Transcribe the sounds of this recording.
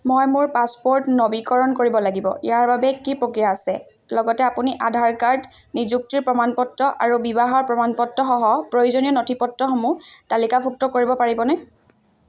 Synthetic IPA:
mojmʊɹpaspɔɹtnobikɔɹɔnkoɹibɔlaɡibɔ̰ʔḭjaɹbabɛkipɹokijaːsɛ | lɔɡɔtɛapuniʔadʱaɹkaɹd | nizuk̚tiɹpɹɔmanpɔtːɔʔaɹubibaɦɔɹpɹɔmanpɔtːɔxɔɦɔpɹojuzonijɔnotʰipɔtːɔxɔmutalikapʰuk̚tɔkoɹibɔpaɹibɔnɛ

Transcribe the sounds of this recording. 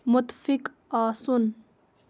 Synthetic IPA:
mʊt̪fik | aːsun

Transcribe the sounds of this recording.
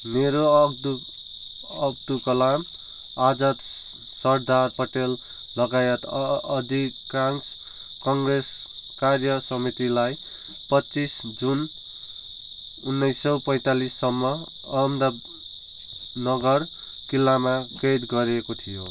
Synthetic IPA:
neɾod̪u | ʌb̚d̪ukʌlam | ad͡zʌt̪ | sʌrd̪arpʌʈelː | ʌɡajʌt̪ʌd̪ʱikans | kʌŋɡreskarjʌsʌmit̪ilaj | pʌtːt͡sisd͡zun | unːʌjsʌwpʌjt̪alisːʌmːʌ | ʌmd̪a | nʌɡʌr | kilːamaked̪ɡʌɾekot̪ʰijo̰

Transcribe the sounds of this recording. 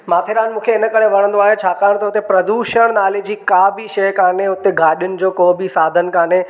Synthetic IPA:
maːt̪ʰeːɾaːnmũːkʰeɪnə̆kəɽeʋɐɽə̃nd̪oaːɦet͡ɕʰaːkaːɽ̃t̪ɐɦʊt̪epɾɐd̪uːʃəɽ̃naːled͡ʑiːkaːbɪʃɐjkaːnɦeɦʊt̪eɡʱaːɗɪjʊnɪ̆d͡ʑoːkoːbɪsaːd̪ʱənkaːnɦe

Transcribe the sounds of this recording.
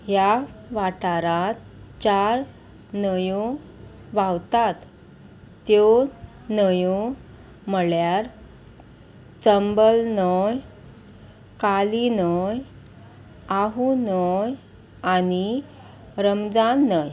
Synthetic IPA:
jaʋaʈaɾat̪t͡ɕaɾ | nəjo | ʋawt̪at̪ː | jo | nəjo | məɭjaɾ | t͡səmbəlnəj | kalinəj | aɦunəj | ani | ɾəmd͡zanːəj

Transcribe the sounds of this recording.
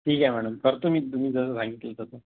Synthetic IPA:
ʈʰiːkɛm̤æɽ̃umkəɾt̪umiːt̪um̤iːd͡zəsəsãŋɡit̪lət̪at̪ə

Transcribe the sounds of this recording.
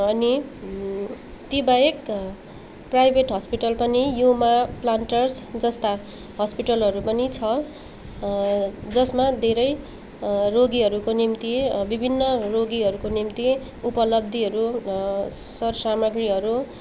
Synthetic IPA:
ʌni | t̪ibaek | prajbʱeʈɦʌspiʈʌlpʌnijumaplaɳʈʌrsd͡zʌst̪a | ɦʌspiʈʌlɦʌɾupʌnit͡sʰʌ | d͡zʌsmad̪ʱeɾʌj | roɡiʌɾukonimt̪ibibʱinːʌroɡiɦʌɾukonimt̪i | upʌlʌbd̪ʱiɦʌɾu | sʌrsamʌɡriɦʌɾu

